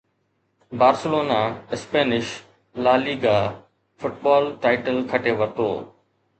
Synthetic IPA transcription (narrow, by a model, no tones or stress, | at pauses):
baːɾsəloːnaɪspeːnɪʃ | laːliːɡa | fʊʈ̚bɔːlʈaːɪʈəlkʰɐʈeʋɐt̪o̰ː